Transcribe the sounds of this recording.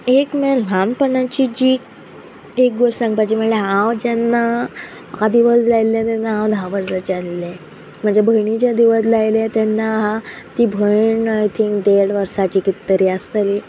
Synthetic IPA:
ekmɛl̤ãnpəɳãt͡ɕiːd͡ʑiː | ek̚ɡəɾsãŋɡpat͡ɕim̤əɳleɦãwd͡ʑɛnːa | makad̪iʋəd͡zlajlːãt̪ɛnːaɦãwd̪ʱaʋəɾd͡zat͡ɕallɛ̃ | m̤əɳd͡zebʱəɳit͡ɕjad̪iʋəslajlat̪ɛnːaɦã | t̪iːbʱəɳajt̪ʰĩŋkɖeɽʋəɾsat͡ɕikit̪ːəɾiast̪əli

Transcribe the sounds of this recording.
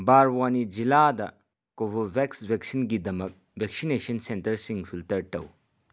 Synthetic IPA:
baɾwanid͡ʒiladɐ | kobobʱeksbʱeksinɡidɐmɐk̚ | bʱek̚sinesɐnsentɐɾsiŋpʰiltɐɾtɐw

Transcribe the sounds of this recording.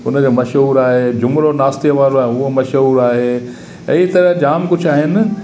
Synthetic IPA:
ʊnəd͡ʑoːmɐʃɦuːɾaːɦeːd͡ʑʊmɾonaːst̪iəʋaːɾoaːɦeɦuɦomɐʃɦuːɾaːɦeː | ɐɦit̪ɐɾəd͡ʑaːmkʊd͡ʑʰʱaːɦɪnɪ̆

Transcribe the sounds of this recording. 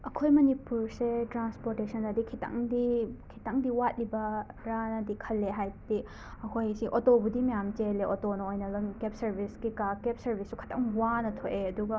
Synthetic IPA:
ɐkʰojmɐnipuɾsetɾanspoɾtesɐnɐdikʰitɐ̰ŋdikʰi̥taŋdiwat̚libɐɾanɐdikʰɐlːeɦajbdi | ɐkʰojsiʔotobudimɐjamt͡ʃeleʔotonɐojnɐlɐmkep̚sɐɾbʱisɡikakep̚sɐɾbʱisːukʰɐ̥tʰɐŋwanɐtʰoʔeɐduɡɐ

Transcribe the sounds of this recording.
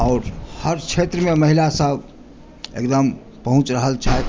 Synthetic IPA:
ɔʊɾhəɾt͡ʃʰet̪ɾəmeməɦilasəb | ḛkd̪əm | pəɦũt͡ʃɾəɦəlt͡ʃʰat̪

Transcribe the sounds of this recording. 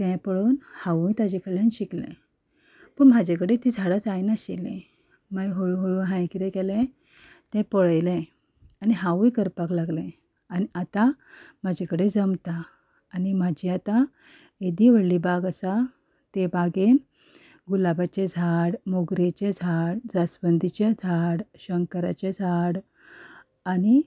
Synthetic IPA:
t̪ɛ̃pəɭoːnhaʋũjt̪ad͡ʑekəɭːãnɕiklḛ̃ | pəɳm̤ad͡ʑekəɽet̪iːd͡zʱaɽat͡sajnaɕelḛ̃ | majɦoɭɦoɭuːnɦãjkiɾɛkɛlẽ | t̪ɛ̃pɔɭəjlẽ | aniɦãʋũjkəɾpaklaɡlẽ | aniat̪amad͡ʑʱekəɽed͡zəmt̪aː | nimad͡ʑʱiat̪a | ed̪iʋəɽliːbaɡəsa | t̪ebaɡe | ɡulabat͡ɕed͡zʱaɽmoɡɾet͡ɕed͡zʱaɽd͡zasbənd̪ʱit͡ɕad͡zʱaɽɕəŋkəɾa̰t͡ɕed͡zʱaɽ | ani

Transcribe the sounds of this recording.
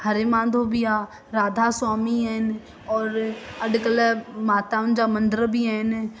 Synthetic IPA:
həɾemãːd̪ʱoːbijaː | ɾaːd̪ʱaːsaːmiːɦɛːn | ɔːɾəɖkələmaːt̪aːʊnd͡ʒaːmə̃nd̪əɾbʱiːɦɛːn

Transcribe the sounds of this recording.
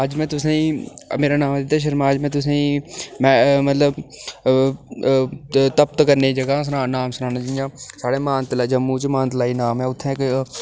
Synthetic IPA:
aːd͡ʒmɛ̃ːt̪ʊsẽĩmeːɾaːnaːmd̪ɪt̪ːaːʃ̬əɾmaːd͡ʒmɛ̃ːt̪ʊs̬ẽːĩːmɛ̃ːmət̪ləb | t̪əp̚t̪kəɾneːd͡ʒəɡas̬naːnaːmsnaːnãːd͡ʒɪd͡ʒãːsaːɽeːmaːnt̪laːd͡ʒəmːũːt͡ʃmãːnt̪laːiːnaːmɦɛ̃ːʊt̪ʰːẽːk

